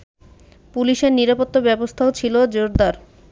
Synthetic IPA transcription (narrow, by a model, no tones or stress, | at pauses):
puliʃeɾniɾapot̪ːobɛbost̪ʰaot͡ɕʰilod͡ʑoɾd̪aɾ